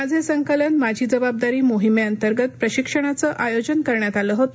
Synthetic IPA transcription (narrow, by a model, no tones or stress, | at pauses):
ad͡zʱesəŋkələnmad͡ʑʱiːd͡zəbab̚d̪aɾiːmoɦimeənt̪əɾɡət̪̚pɾəɕikʂəɽ̃at͡səʔajod͡ʑənkəɾɳjat̪aləːɦot̪